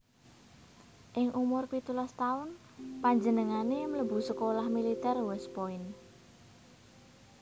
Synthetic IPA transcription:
ʔɪŋʔumʊrpit̪ulɔst̪aʊn | paɲd͡ʒənəŋanemələbṳsəkolahmilit̪ɛrwɛspoɪn

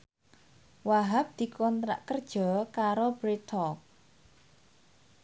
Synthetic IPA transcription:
waɦap̚d̪̥i̤kɔnt̪ɾa̰ʔkərd̥ʒ̥ɔ̤kaɾobɾit̪ʰɔk̚

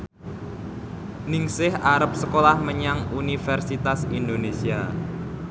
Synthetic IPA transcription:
nɪŋsɪhaɾəp̚səkolahməɲaŋunifɛrsit̪asind̪onesia

